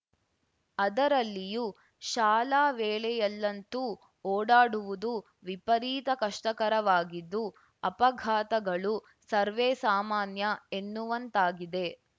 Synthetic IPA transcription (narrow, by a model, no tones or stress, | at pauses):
ɐd̪ɐɾɐlːiju | ʃaːlaːʋeːɭɛjɐlːɐnt̪u | oːɽaːɽuʋud̪u | ʋipɐɾiːt̪ɐkɐʂʈɐkɐɾɐʋaːɡid̪ːu | ɐpɐɡʱaːt̪ɐɡɐɭu | sɐɾʋeːsaːmaːnjɐe̞nːuʋɐnt̪aːɡid̪e̞